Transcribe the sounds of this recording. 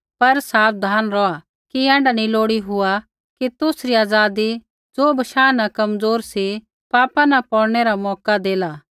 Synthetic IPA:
pɐɾsaːpd̪ʱaːnɾɔa | kiɛ̃ːɳɖanĩloːɽiɦʊa | kit̪ʊsɾiaːd͡zaːd̪i | d͡zoːbʱɐʃaːnakɐmd͡zoːɾsi | paːpãnɐpɔːɽɽ̃ɛɾamɔːkad̪eːlaː

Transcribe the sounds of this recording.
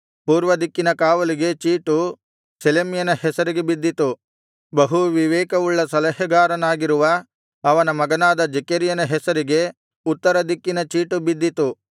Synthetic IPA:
puːɾʋɐd̪ikːinɐkaːʋɐliɡe̞t͡ʃiːʈu | selemjɐnɐhɛsɐɾiɡe̞bid̪ːit̪u | bɐɦuʋiʋɛːkɐʋuɭːɐsɐlɐɦɐɡaːɾɐnaːɡiɾuʋɐː | ʋɐnɐmɐɡɐnaːd̪ɐd͡ʒɛkɐɾijɐnɐɦɛsɐɾiɡe̞ | ut̪ːɐɾɐd̪ikːinɐt͡ʃiːʈubid̪ːit̪u

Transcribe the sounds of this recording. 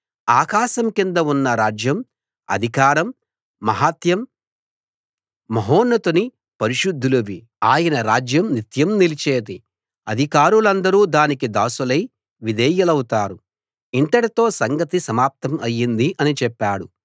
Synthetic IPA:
aːkaːʃɐmkind̪ɐunːɐɾaːd͡ʒjɐm | ɐ̰d̪ʱikaːɾɐmː | ɐɦaːt̪jɐm | ɐɦoːnːɐt̪uni | pɐɾiʃud̪ʱːulɐʋi | aːjɐnɐɾaːd͡ʒjɐmnit̪jɐmnilit͡ʃeːd̪i | ɐd̪ʱikaːɾulɐnd̪ɐɾuːd̪aːnikid̪aːsulɐj | ʋid̪ɛːjɐlɐwut̪aːɾu | iɳʈ̪ɐɽit̪o̞ːsɐŋɡɐt̪isɐmaːp̚t̪ʰɐmɐjːind̪iʔɐnit͡ʃɛpːaːɽu

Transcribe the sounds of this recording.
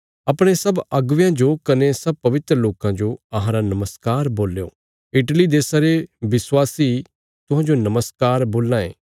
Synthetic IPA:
ɐpɽ̃esɐbɐɡʋjãd͡ʒokɐnesɐb̚pɐʋɪt̪ɾəloːkãd͡ʒoɐɦãɾanɐməskaːɾboːlːejo̰ː | ɪʈlid̪eːsaɾeʋɪswaːsi | t̪ʊɦãːd͡ʒonɐməskaːɾboːlːãːḛː

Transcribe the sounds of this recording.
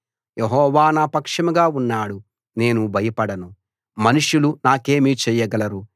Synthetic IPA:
jʔeɦɔːʋaːnaːpɐkʂɐmɐɡaːunːaːɽu | ne̞ːnubʱɐjɐpɐɽɐnu | mɐnuʂulunaːke̞ːmiːt͡ʃɛːjːɐɡɐlɐɾu

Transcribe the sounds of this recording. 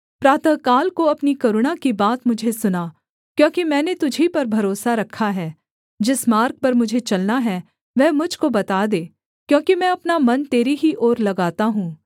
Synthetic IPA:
pɾaːt̪əkaːlkoɐpnikɐɾʊɽ̃akibaːt̪mʊd͡ʒʱesʊnaː | kjõːkimɛ̃ːnet̪ʊd͡ʒʱipɐɾbʱɐɾoːsaɾɐkʰːaɦɛː | d͡ʒɪsmaːɾk̚pɐɾmʊd͡ʒʱet͡ʃɐlnaɦɛː | ʋɛːmʊd͡ʒʱkobɐt̪aːd̪eː | kjõːkimɛ̃ːɐpnamɐnt̪eːɾiɦiʔɔːɾlɐɡaːt̪aɦũː

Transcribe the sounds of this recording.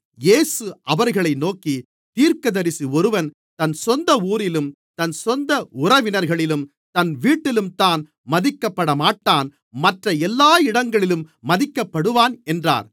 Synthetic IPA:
jeːsɯʔɐʋɐɾɣɐɭɐɪnoːki | t̪iːɾkɐðɐɾɪsiɔɾɯʋɐn | t̪ɐnsɔnd̪ɐuːɾɪlɯm | t̪ɐnsɔnd̪ɐʊɾɐʋɪnɐɾɣɐɭɪlɯm | t̪ɐnʋiːʈːɪlɯmt̪aːn | mɐðɪkːɐpːɐɽɐmaːʈːaːn | mɐʈrɐɛlːaːɪɽɐŋɡɐɭɪlɯmːɐðɪkːɐpːɐɽɯʋaːnɛndra̰ːɾ

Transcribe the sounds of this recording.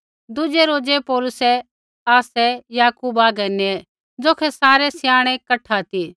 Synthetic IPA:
d̪ʊd͡ʒɛɾoːd͡ʒɛpɔːlʊsɛ | aːsɛjaːkuːbaːɡɛnɛ | d͡zoːkʰɛsaːɾɛsjaːɽ̃ɛ̃kɐʈʰat̪iː

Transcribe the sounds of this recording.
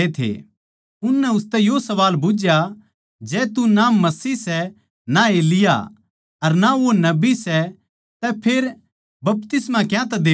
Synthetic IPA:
et̪ʰḛː | ʊnːɛʊst̪ɛjosɐʋaːlbʊd͡ʒja | d͡ʒɛːt̪unaːmːɐsiːsɛ | naeːlɪja̰ | ɐɾnaʋonɐbisɛ | t̪ɛpʰeːɾ | bɐp̚t̪ɪsmãkjãt̪ɛd̪eː

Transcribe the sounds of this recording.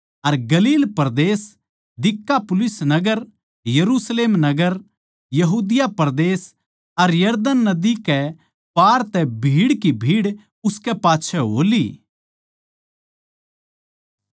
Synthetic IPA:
ɐɾɡɐliːlpɐɾd̪eːs | d̪ɪkːapʊlɪsnɐɡəɾ | jɐɾuːsleːmnɐɡəɾ | jɐɦuːd̪ɪjapɐɾd̪eːs | ɐɾjɐɾd̪ənːɐd̪ikɛ | paːɾt̪ɛbʱiːɽkibʱiːɽ | ʊskɛpaːtːʃʰɛɦo̰ːli

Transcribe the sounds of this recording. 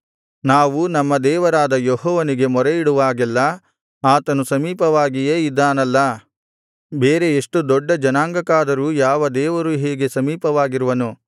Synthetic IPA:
naːʋunɐmːɐd̪ɛːʋɐɾaːd̪ɐjɔɦɔːʋɐniɡe̞mɔɾeiɽuʋaːɡɛlːɐ | aːt̪ɐnusɐmiːpɐʋaːɡijeːid̪ːaːnɐlːɐ | beːɾe̞ːʂʈud̪ɔɖːɐd͡ʒɐnaːŋɡɐkaːd̪ɐɾuːjaːʋɐd̪ɛːʋɐɾuɦeːɡe̞sɐmiːpɐʋaːɡiɾuʋɐnu

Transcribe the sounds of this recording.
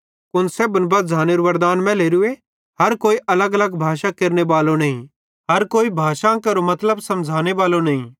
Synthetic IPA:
kʊnseːbənbɐd̪d͡zʱaːneːɾoʋɐɾd̪aːnmɛ̃leːɾʊe | ɦɐɾkoːiʔɐləɡɐləɡbʱaːʃakeːɾneʋaːlonɐːɦĩ | ɦɐɾkoːibʱaːʃakɐɾomɐt̪ləbsɐ̃md͡ʒʱaːneʋaːlonɐɦĩː

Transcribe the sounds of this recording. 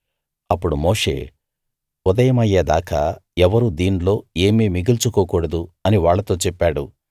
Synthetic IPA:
ɐpːuɽumoːʂḛː | ud̪ɐjɐmɐjːeːd̪a̰ːkɐɛʋɐɾud̪iːnlo̞ːe̞ːmiːmiɡilt͡ʃukoːkuːɽɐd̪uɐniʋaːɭːɐt̪o̞ːt͡ʃɛpːaːɽṵ

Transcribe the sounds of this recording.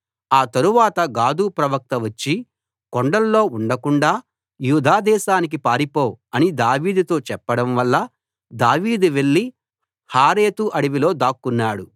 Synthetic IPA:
aːt̪ɐɾuʋaːt̪ɐɡaːd̪uːpɾɐʋɐk̚t̪ɐʋɐt͡ʃːi | koɳɖɐlːo̞ːuɳɖɐkuɳɖaː | juːd̪ʱaːd̪ɛːʃaːnik̬ipaːɾipo̞ːɐnid̪aːʋiːd̪ut̪o̞ːt͡ʃɛpːɐɽɐmʋɐlːɐ | d̪aːʋiːd̪uʋe̞ɭːi | haːɾeːt̪uʔɐɽiʋilo̞ːd̪aːkːunːaːɽu

